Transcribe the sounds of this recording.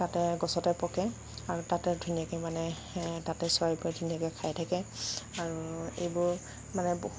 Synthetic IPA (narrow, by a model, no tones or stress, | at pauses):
tatɛɡɔsɔtɛpɔkɛ | aɹutatɛdʱunijakɛmanɛ | tatɛswaɹipɔɛdʱunijakɛkʰajtʰakɛaɹuḛjbʊɹ | manɛboɦ